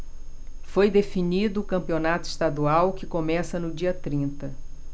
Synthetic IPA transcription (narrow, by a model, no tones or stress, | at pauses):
fojd̪efinid̪ʊːkɐ̃mpionat̪ʊist̪ad̪uawkɪkomɛsɐnʊd͡ʒiɐt̪ɾĩnt̪ɐ